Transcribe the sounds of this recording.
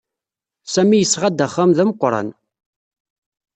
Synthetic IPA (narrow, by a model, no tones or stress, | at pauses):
sæmːijəsʁad̪æχːæmðæməqʷːɾˤɑ̰n